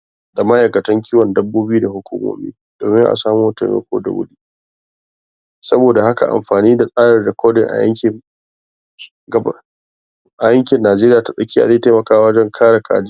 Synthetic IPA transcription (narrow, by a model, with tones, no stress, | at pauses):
da˨mɐ˦ʔa˨kɐ˨tɐ˦ŋk̬ʲiː˦wɔ˨ndɐ˦bːoː˦bu˦da˨hʊ˦kʷṵ˦mo̰ː˦mḭː˦ | d̥oː˨mɪ˦ŋʔa̰˨saː˦mo˦tɐ̰˨mḛ˦kʷo̰ː˦da̰˨wʊ̰˦ɗiː˦ | sɐ˦boː˨da˨ha˦ka̰˨ʔa̰˨mɸaː˨niː˦da˨sʼaː˦ɽɐ˨rdɪ˨kʰʷoː˦dɪ˨ŋʔa̰˨jɐ̰˦ŋkʲɪ˨ | ɡɐ˦ | ʔa˨jɐ˦ŋkʲɪ˨nːaː˨d͡ʒeː˦ɾɪ˦jaː˨ta˨ɗɐ˦kʲiː˦ʔa̰˨zeː˦˨teː˦mɐ˨kaː˦ɐ˦d͡ʒɛ˦ŋkʰaː˦ɽa˨kʰa̰ː˨d͡ʒ